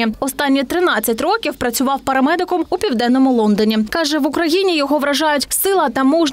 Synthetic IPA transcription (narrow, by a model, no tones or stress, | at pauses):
iɔst̪ɑnʲːit̪ɾɪnɑt͡sʲːɐtʲrɔkʲiwpɾɐt͡sʲʊʋɑwpɐɾɐmɛd̪ɪkʊmupʲiwd̪ɛnːɔmʊlˠɔnd̪ɔnʲikɑʒɛʋʊkɾɐjinʲijɔɦɔʋɾɐʒɑjʊtʲsɪlˠɐt̪ɐmuʒ